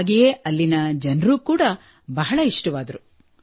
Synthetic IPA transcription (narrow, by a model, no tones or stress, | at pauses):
ɡijeːɐlːinɐd͡ʒɐnɾuːkuːɽɐ | bɐɦɐɭɐiʂʈuʋaːd̪ɐɾu